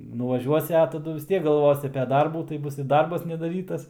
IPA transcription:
nʊʋɐˈʒʲuɔsʲɪ ɐ tɐˈdʊ ʋʲɪs ˈtʲiɛk ɡɐlˠˈʋoːsʲɪ ɐpʲɛ ˈdɐrbuː tɐɪ ˈbʊs ɪ ˈdɐrbɐs nʲɛdɐˈrʲiːtɐs nʲɛdɐˈrʲiːtɐs

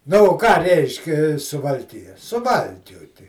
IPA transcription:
ˈnʊ oː ˈkɑː ˈrʲɛɪʃʲkʲɛ sʊʋɐlʲˈkʲɪjɛ sʊˈʋɐlʲkʲuɔtʲɪ

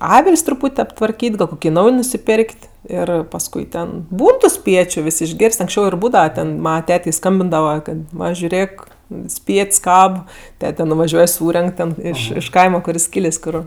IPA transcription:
ˈɑːʋʲɪlʲsʲ trʊˈpuːtʲ ɐptʋɐrʲˈkʲiːtʲ ɡɐlˠ ˈkoːkʲɪ ˈnɐʊj nʊsʲɪˈpʲeːrʲkʲtʲ ˈɪr pɐsˈkʊɪ ˈtʲɛn ˈbuːn ˈtuː ˈsʲpʲiɛt͡ʃʲʊ ˈʋʲɪs ɪʒʲˈɡʲeːrʲsʲtʲ ɐŋksʲˈt͡ʃʲɛʊ ɪr ˈbuːdɐʋɐ tʲɛn ˈmɑːnɐ ˈtʲæːtʲɛɪ ˈskɐmʲbʲɪndɐʋɐ ˈkɐt ˈʋɐ ʒʲʊˈrʲeːk ˈsʲpʲiɛtʲsʲ ˈkɐp ˈtʲæːtʲɛ nʊʋɐˈʒʲuɔj ˈsuːrʲɛŋk tʲɛn ˈɪʃ ɪʃ ˈkɐɪmɐ ˈkʊr jɪs ˈkʲiːlʲeːsʲ ˈkʊr

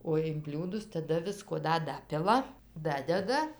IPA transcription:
oː ɪn ˈbʲlʲuːdʊs tɐˈdɐ ˈʋʲɪskoː ˈdɐ ˈdɑːpʲɪlˠɐ ˈdɑːdʲɛdɐ

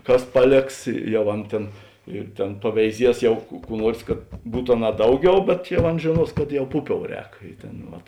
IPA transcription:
ˈkɐs ˈpɑːˌlʲeːks ˈjɛʊ ˈɐn tʲeːn ɪr tʲeːn pɐʋʲɛɪˈzʲiɛs ˈjɛʊ kʊ ˈkuː ˈnuɔrs kɐt ˈbuːt ɐˈnɑː ˈdɐʊˌɡʲɛʊ bʲɛt jɛʊ ˈɐn ʒʲeːˈnuɔs kɐt jɛʊ ˈpʊˌpʲoːʊ ˈrʲɛːk ˈɪ ˌtʲeːn ˈʋɐt

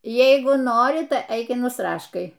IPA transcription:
ˈjɛɪɡʊ ˈnoːrʲɪ tɐɪ ˈɛɪk ɪr nʊsˈrɑːʃkɐɪ

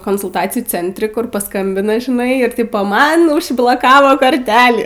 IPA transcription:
koːnsʊlˠˈtɑːt͡sʲɪjuː ˈt͡sʲɛnʲtʲrʲɪ ˈkʊr pɐˈskɐmʲbʲɪnɐ ʒʲɪˈnɐɪ ɪr ˈtʲɪpoː mɐn ʊʒblˠoːˈkɑːʋoː koːrʲˈtʲæːlʲiː

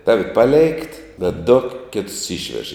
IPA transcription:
ˈtɑːʋʲɪ pɐˈlʲeːɪkt bʲɛt dʊ ˈkʲeːtʊs ˈiːʃʲʋʲɛʃ

